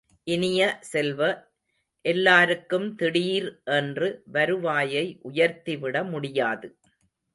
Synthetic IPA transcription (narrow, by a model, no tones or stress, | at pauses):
ʔɪnɪjɐsɛlʋɐ | ʔɛlːaːɾɯkːɯmt̪ɪɽiːɾʔɛndrɯʋɐɾɯʋaːjɐɪʔʊjɐɾt̪iʋɪɽɐmʊɽɪjaːðɯ